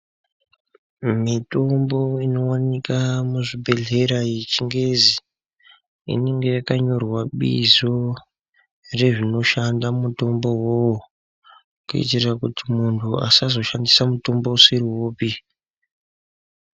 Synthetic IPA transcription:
mito̞mbo̞ino̞wanikamuʐibʱe̞ɮe̞ɾait͡ʃiŋɡe̞zi | ḭne̞ŋɡe̞jakaɲo̞rwaɓḭzo̞ | re̞ʐino̞ʃandamuto̞mbo̞wowo | kṵḭtirrakutimuntʰua̰sazo̞ʃandisamuto̞mbo̞usiriwoːpi

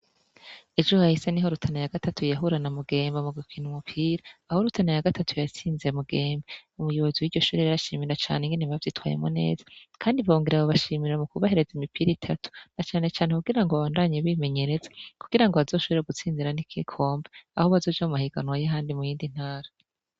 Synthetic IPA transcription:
ed͡ʒuhahiseniɦo̞ɾutʰanajaɡ̥atʰatujaɦuɾanamuɡe̞ːmbamuɡukʰinumupʰiːɾaːho̞ɾutʰanajaɡatʰatʰujat͡siːnziɾemuɡe̞ːmbeumujoβo̞ziwiɾɟo̞ʃuːɾiɾaɾaʃiːmiiɾat͡ʃa̰ːneŋɡeniβavjiːtwa̰je̞̰mo̰ne̞̰ːzḁkʰaːndivoŋɡiɾaβoβaʃiːmiɾɾamukuβahe̞ɾe̞zimipʰiɾiitʰatʰu̥nat͡ʃaːne̞t͡ʃaːne̞kuɡiɾaŋɡoβaβaːndaɲeβime̞ɲe̞ɾe̞zḁkuɡiɾaŋɡo̞βazo̞ːʃoβiɾeɡut͡siːnziɾanikʰikʰo̞ːmbeaho̞βazo̞ːd͡ʒamumahiɡ̥anwajaɦaːndimujiːndin̥haːɾa

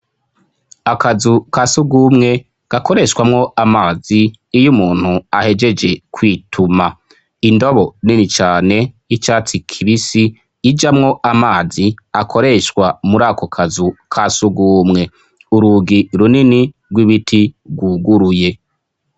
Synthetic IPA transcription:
akazukasuɡuːmŋe̞ | ɡ̥ako̞ɾe̞ʃkwamŋo̞amaːziː | jumuːn̥huahe̞d͡ʒe̞d͡ʒe̞kwiːtʰuma | indo̞βo̞ninit͡ʃaːne̞ | it͡ʃaːt͡sikʰiβisiː | d͡ʒamŋo̞ʔamaːziakʰo̞ɾe̞ʃkwamuɾaːkokʰazukʰasuɡuːmŋe̞ | uɾuɡiɾunini | ɡwiβitʰiɡwuɡuɾuje̞

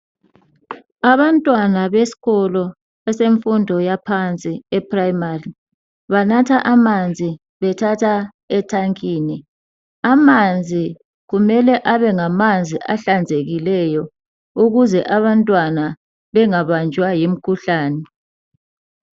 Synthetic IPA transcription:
aβantʼwanaβesi̥ɣɔlɔ | ɛseɱfundʱɔjapʰant͡sʼiɛpʰrajmari | βanatʰaʔamand͡zʱi | βɛtʰatʰa | ɛtʰaŋkʼiːni | amand͡zʱi | ɣumɛlɛʔaβɛŋamand͡zʱiʔaɬand͡zʱeɣilɛjɔ | uɣuzɛʔaβantʼwana | βɛŋaβand͡ʒʱwajim̩kʰuɬaːnɛ

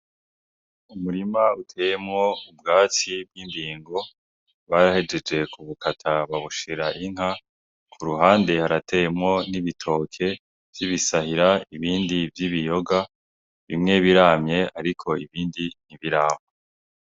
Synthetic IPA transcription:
umuɾimautʰe̞ːjemŋo̞ubɡaːt͡sib̚ɡiːndiːŋɡo̞ | βaɾahe̞d͡ʒe̞d͡ʒe̞kʰuβukatʰaβaβuʃiɾaʔiŋ̥ha | kʰuɾuɦaːnde̞haɾatʰe̞jemŋo̞niβitʰo̞ːkʰe̞ | v̥jiβisahiɾaiβiːndivjiβijo̞ɡa | βimŋe̞βiɾaːmɲe̞aɾikʰo̞iβiːndiniβiɾaːma

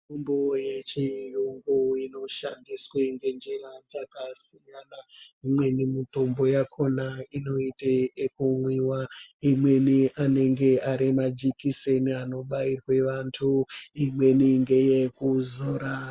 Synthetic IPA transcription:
umboje̞t͡ʃijuŋɡuino̞ʃandisweŋɡe̞nd͡ʒerad͡zakasijanaimwe̞nimito̞mbo̞jakʰo̞naino̞iteekumwiwaimwe̞niʔane̞ŋɡe̞aɾimad͡ʒikise̞niano̞ɓairwe̞ʋantʰuimwe̞niŋɡe̞je̞kuzoːɾa

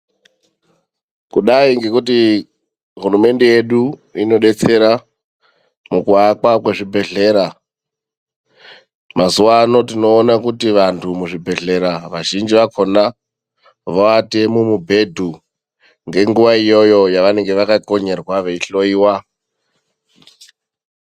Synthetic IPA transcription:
kuɗaiŋɡe̞kuti | ɦurume̞nde̞je̞ɗuino̞ɗe̞t͡se̞ɾa | mukuakakweʐibʱe̞ɮe̞ːɾa | mazuwano̞tino̞ːnakutiʋantʰumuʐibʱe̞ɮe̞ɾaʋaʒind͡ʒiʋakʰo̞na | ʋoatemumubʱe̞dʱu | ŋɡe̞ŋɡuʋaijo̞jo̞jaʋane̞ŋɡe̞ʋakako̞ɲe̞rwaʋeiɬo̞iːwa

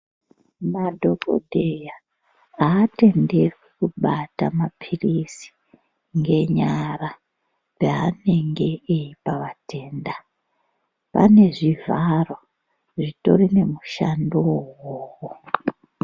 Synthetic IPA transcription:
madʱo̞ko̰dʱeja | aːte̞nderwekuɓatamapʰirisi̥ | ŋɡe̞ɲara | ʐaane̞ŋɡe̞ːipaʋate̞ːnda | pa̰ne̞ʐivʱaro | ʐito̞̰rine̞muʃandoowoːwo

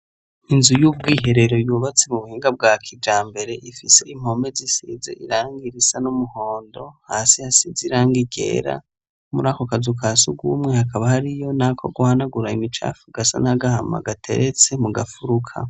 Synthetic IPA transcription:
inzujub̚ɡiːɦe̞ɾe̞ɾo̞juːβat͡se̞muβuhiːŋɡab̚ɡaːkʰid͡ʒaːmbe̞ɾe̞ʔifise̞im̥ho̞me̞zisḭzḛʔḭɾaːŋɡiɾisanumuho̞ːndo̞haːsihasiziɾaːŋɡiɡe̞̰ːɾa̰ | muɾaːkokazukʰasuɡuːmŋe̞hakaβahaɾijo̞nakʰo̞̰ɡuhanaɡuɾaimit͡ʃa̰fuɡ̥asa̰naɡahama̰ɡatʰe̞̰ɾet͡se̞muɡafuɾukʰa̰

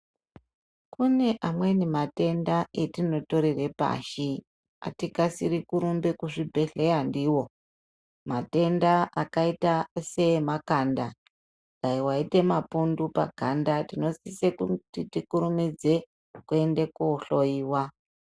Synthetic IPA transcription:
kune̞ʔamwe̞nimate̞ndae̞tino̞to̞ɾere̞pa̰ʃi | a̰tikasiɾikuɾumbe̞kuʐibʱe̞ɮe̞jandiwo̞ | mate̞ndaʔakaitase̞makanda | ɡaiwaite̞mapundupa̰ɡʱandatino̞sisekutitikuɾumid͡ze̞ | kue̞nde̞kuoɬo̞iːwa

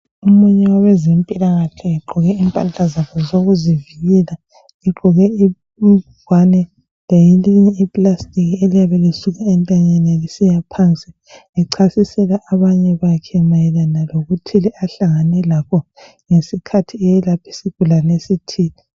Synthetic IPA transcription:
umuɲɛwawɛzempʼilaɣaɬʰɛɛǃʱɔɣɛimpʼant͡ɬʼazaβʰɔzoɣuziviɣɛla | iɡ͡ǃʱɔɣɛi | ɡwanɛ | lajiliɲɛipʼlastʼikʰelijaβɛlisuɣaɛntʼaɲɛnɛlisijapʰant͡sʼi | liǀʰasisɛlaʔːβaɲɛβakʰɛmajɛlanaloɣutʰilɛʔaɬaŋanɛlakʰɔ | ŋesikʰatʰiɛjɛlapʰi̥siɡ̥̚ʱulanesitʰiːli

